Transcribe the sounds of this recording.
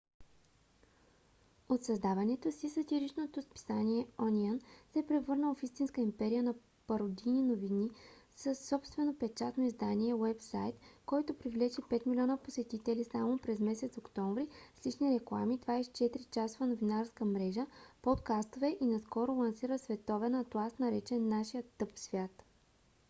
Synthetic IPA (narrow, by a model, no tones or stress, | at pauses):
ot̪sɐzd̪avɐnɛt̪osisɐt̪iɾit͡ʃnot̪ospi̥saniɛɔnʲiansɛpɾɛvɤɾnəlˠfist̪inskəimpɛɾiənɐ | pɐɾod̪ininovinisəsːɔpst̪vɛnopɛt͡ʃat̪noizd̪aniɛwɛpsa̰jt̪kɔjt̪opɾivlɛt͡ʃipɛt̪milʲiɔnəposɛt̪it̪ɛlisamopɾɛzmɛsɛt̪sokt̪ɔɱvɾislit͡ʃniɾɛklˠa̰mid̪vaist͡ʃɛt̪ɾit͡ʃasovɐnovinaɾskəmɾɛʒəpot̪kast̪ovɛʔinɐskɔɾʊlˠɐnsiɾəsvɛt̪ɔvɛnɐt̪lˠast̪nɐɾɛt͡ʃɛnːaʃijət̪ːɤpfsvʲjat̪